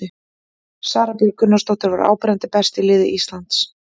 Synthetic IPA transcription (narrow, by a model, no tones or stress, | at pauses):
ɪ | saːɾapjiɾkʰʏnːast̪owht̪ʏɾva̰ɾa̰ːwpɾɛnt̪ɪpɛst̪ɪlɪːðɪʔist̪lant̪s